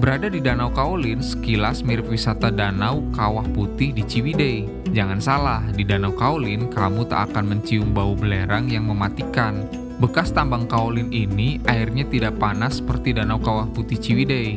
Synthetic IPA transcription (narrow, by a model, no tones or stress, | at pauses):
bəɾadadidanawkaolɪnsə̥kilasmiɾɪp̚wisat̪adanawkawahput̪ɪhdit͡ʃiwidɛj | d͡ʒaŋansalahdidanawkaolɪnkamut̪a̰ʔakanməɲt͡ʃiʊmbaubəleɾaŋjaŋməmat̪ikan | bəkast̪ambaŋkaolɪniniaɪrɲat̪idaʔpanasːə̥pərt̪idanawkawahput̪ɪht͡ʃiwidɛj